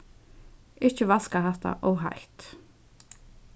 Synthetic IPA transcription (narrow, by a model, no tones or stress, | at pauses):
ɪht͡ʃɪvaskaɦaht̪a̰ʔɔwɦa̰jht̪